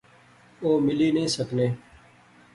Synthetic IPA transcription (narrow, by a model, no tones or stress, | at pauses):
oːmɪliːnẽːsəkneː